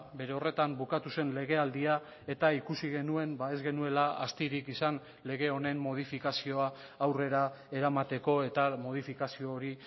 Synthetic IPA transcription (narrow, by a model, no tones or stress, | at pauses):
be̞ɾe̞o̞re̞t̪ambukat̪use̞nle̞ɣ̞e̞ald̪ia | e̞t̪aikusiɣe̞nue̞mbae̞zɣe̞nue̞laa̰st̪iɾikisan | le̞ɣe̞o̞ne̞mːo̞ð̞ifikasio̞aː | wre̞ɾa | e̞ɾamat̪e̞ko̞e̞t̪amo̞ð̞ifikasioːɾi